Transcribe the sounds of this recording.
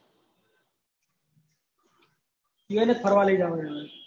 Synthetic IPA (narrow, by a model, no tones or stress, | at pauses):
ɪjoeːnək̪̚pʰəɾʋaːliːɖaːʋoeː